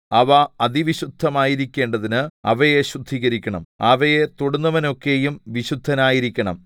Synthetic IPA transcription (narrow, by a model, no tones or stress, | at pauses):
ɐʋɐɐðiʋiɕud̪ʱːɐmaːjiɾikʲːe̞ːɳɖɐðinɨɐ̰ʋɐjeɕud̪ʱiːɣɐɾikʲːɐɳɐ̰mɐʋɐje̞t̪oɽunːɐʋɐno̞kːe̞jumʋiɕud̪ʱːɐnaːjiɾikʲːɐɳɐ̰m